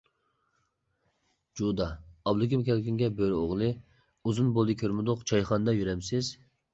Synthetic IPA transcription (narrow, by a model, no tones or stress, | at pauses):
d͡ʒud̪ɑːblˠɨkʲimkʲʰɛlkʲiŋɡʲɛbøɾoʁlˠɨ | uzunbolˠd̪ɨkʲʰøɾmɪd̪ʊqt͡ʃʰɑjχɑnd̪ɑjyɾɛmsɪz